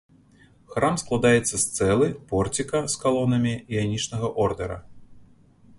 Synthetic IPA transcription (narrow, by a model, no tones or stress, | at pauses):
xɾʔamsklˠad̪ajɛt̪sːɐst̪sɛlˠɨpɔrt͡sʲikɐskalˠɔnɐmʲiijanʲit͡ʂnɐɣɐʔɔrd̪ɛɾɐ̰